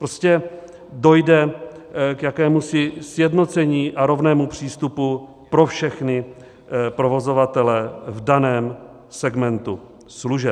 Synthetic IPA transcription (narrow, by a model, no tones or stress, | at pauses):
pɾoscɛ | do̞jdɛ | kjakɛːmusɪsjɛdno̞t͡sɛɲiːʔaɾo̞vnɛːmupr̝̥iːst̪upu | pɾo̞fʃɛxnɪ | pɾo̞vo̞zo̞vat̪ɛlɛvdanɛːm | sɛɡmɛnt̪u | sluʒɛ